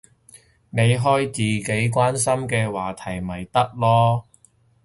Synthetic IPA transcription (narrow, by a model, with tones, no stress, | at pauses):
ne˨˧jɦɔː˥jt͡siː˨ke˨˥jkʷwaː˥nsɐ˥mkɛː˧waː˨˩t̪ʰɐ˨˩jmɐ˨˩jt̪ɐ˥k̚lɔː˥